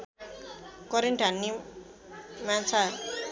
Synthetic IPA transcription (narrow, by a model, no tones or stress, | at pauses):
kʌɾenʈʰanːi | mant͡sʰa